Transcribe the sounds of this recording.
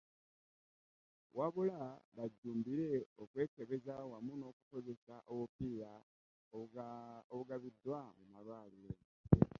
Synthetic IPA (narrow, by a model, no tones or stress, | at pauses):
wʔaβulaβaɟːuːmbiɾe̞okwe̞ːke̞βe̞zawamuno̞ːkuko̞ze̞saʔowupiːɾa | oβuɡaβid̪wamumalwaːliɾe